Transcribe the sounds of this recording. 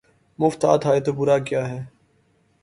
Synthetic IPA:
mʊft̪a̰ːt̪ɦaːet̪obʊɾaːkjaːɦɛː

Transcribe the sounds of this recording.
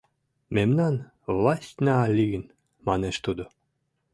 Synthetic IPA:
memnɑn | vlˠɑsʲtʲnæːlʲːiɡən | mɑneʃt̪ud̪o

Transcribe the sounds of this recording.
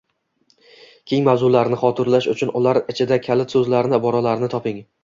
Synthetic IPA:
kʲʰe̞ŋmawzʊlaɾnɪχɒt̪ʰɪɾlaʃʊt͡ʃʰʊnʊlaɾɪt͡ʃʰɪd̪akʲʰalɪt̪sɵzlaɾnɪbɒɾɒlaɾnɪt̪ʰɒpɪŋ

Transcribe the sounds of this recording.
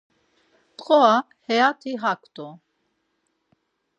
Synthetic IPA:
t̪qʼɔa | hɛjat̪ʰiɦakʰt̪ʼu

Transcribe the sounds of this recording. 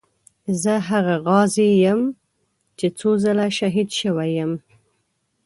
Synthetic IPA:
zəɦaɣaɣɑzejəm | t͡ʃet͡sozəlaʃaɦid̪ʃəwajəm

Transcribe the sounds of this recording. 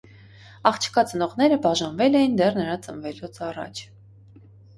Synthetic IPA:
ɑχt͡ʃʰə̥kɑt͡sənɔʁnɛɾəbɑʒɑnvɛlɛjind̪ɛrnəɾɑt͡sənvɛlut͡sʰɑrɑ̰t͡ʃʰ

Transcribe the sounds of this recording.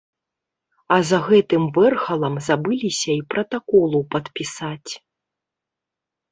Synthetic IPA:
ɐzɐɣɛt̪ɨmvɛrxɐlˠɐmzabɨlʲisʲɐipɾɐt̪akɔlˠupɐt̪pʲisat͡sʲ

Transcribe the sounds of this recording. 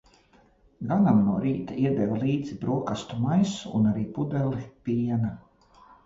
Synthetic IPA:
ɡanamnuɔɾiːt̪aiɛd̪ɛvalˠiːd̪zibɾuɔkast̪umajsṵːnaɾiːpud̪ɛlipiɛna

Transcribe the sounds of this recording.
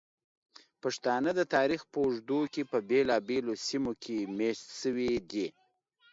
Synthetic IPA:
paʂt̪ɑnəd̪ət̪ɑɾixpəʊʐd̪ukepəbelɑbelosimokʰemeʃt̪ʃəwid̪i

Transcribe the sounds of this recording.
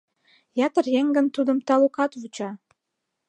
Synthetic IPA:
jɑt̪ə̆rjeŋɡə̆nt̪ud̪ə̆mt̪ɑlukɑt̪vut͡ɕɑ

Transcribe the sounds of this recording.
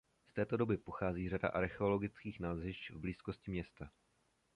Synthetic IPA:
st̪ɛːt̪o̞do̞bɪpo̞xaːziːrada̰ʔaɾxɛo̞lo̞ɡɪt͡skiːxnaːlzɦɪʃvbliːsko̞scɪmɲɛst̪a

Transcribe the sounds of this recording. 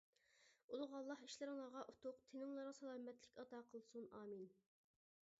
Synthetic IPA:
ulˠʁɑlˠːɑɦiʃlɪɾɪŋlˠɑʁɑʔut̪ʰuqt̪ʰenɪŋlˠɑɾʁɑsɑlˠɑmɛt̪lɪkʲɑt̪ɑqʰəlˠsunɑːmin

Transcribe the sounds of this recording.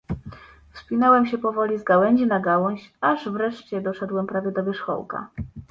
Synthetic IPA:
fspʲinɛwɛmɕɛpɔvɔlʲizɡawɛɲd͡ʑinaɡawɔɕaʐvɾɛʂt͡ɕɛd̪ɔʂɛd̪wɛmpɾavʲɛd̪ɔvɘʂxɔ̰wka̰

